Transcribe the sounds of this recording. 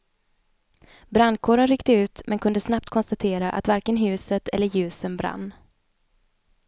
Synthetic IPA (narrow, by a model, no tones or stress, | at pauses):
bɾanːkʰoːɾənɾʏkt̪əʉ̟ːt̪mʔɛnkʰɵnd̪əsnap̚t̪kʰɔnst̪at̪ʰeːɾaʔa̰t̪vaɾkənɦʉ̟ːsət̪ʰɛ̰lːəɾjʉ̟ːsənbɾa̰nː